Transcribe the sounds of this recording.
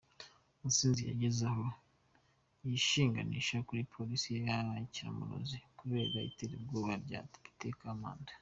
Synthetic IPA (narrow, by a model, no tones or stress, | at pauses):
musiːnzija̰ɟezaho̞ | jiʃiːŋɡa̰niʃakuɾipʰo̞lisijejaaciɾa̰muɾo̰zikuβe̞ːɾaḭteɾibɡoːβaɾɟa̰ti̥pi̥tekama̰ːndḁ